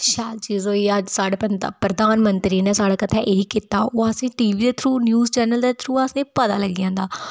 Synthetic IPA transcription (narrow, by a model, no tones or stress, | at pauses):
ʃaːlt͡ʃiːzoːiːəd͡ʒsaːɽeːpənd̪a̰pɾəd̪aːnmənt̪ɾiːneːsaːɽaːkət̪ʰɛːʔeːiːkit̪aːoːəsĩːʈiːʋiːd̪eːt̪ʰɾuːnjuːzt͡ʃɛːnəld̪eːt̪ʰɾuːasĩːpət̪a̰ːləɡijãːnd̪aː